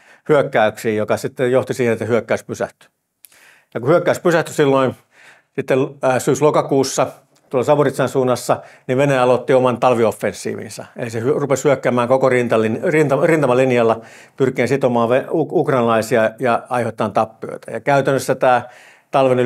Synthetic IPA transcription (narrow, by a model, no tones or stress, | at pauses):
hyøkːæyksiːjjokɑsit̪ːejjoht̪isiːhenet̪ːæhyøkːæyspysæht̪y̥ | jɑkuhyøkːæyspysæht̪ysilːoin | sit̪ːelsyːslokɑkuːsːɑ | t̪uolːɑsɑʋurit̪sɑnsuːnːɑsːɑniʋʋeneɑlot̪ːiomɑnt̪ɑlʋiofːensːḭːʋḭnsɑ̰ḛlisehyrupeshyøkːæːmæːŋkokorint̪ɑlinrint̪ɑrint̪ɑmɑlinjɑlːɑ | pyrkˑiensit̪omɑːʋʋeuukrɑnilɑisiɑjɑɑihot̪ːˑɑːnt̪ɑpːio̰it̪æ̥jɑkæyt̪ænːøsːæt̪æː | t̪ɑlʋen